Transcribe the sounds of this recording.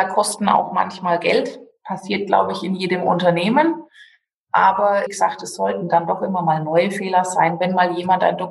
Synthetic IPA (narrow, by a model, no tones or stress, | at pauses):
aːkʰɔstn̩a̰ʊxma̰nçmaːlɡɛ̰ltpʰasiːɐt̚ɡ̥la̰ʊbəɪçɪnjeːdəmʊ̰ntɐneːmən | ʔaːbɐɪçz̥aːktɛsz̥ɔltn̩d̥andɔχʔɪmɐmaːlnɔʏəfeːlɐz̥aɪnvɛnmaːljeːmanta̰ɪndɔ